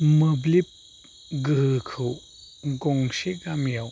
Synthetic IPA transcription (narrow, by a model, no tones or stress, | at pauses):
mɯblip̚ | ɡɯhɯkʰɯw | ɡɔŋseɡamjaw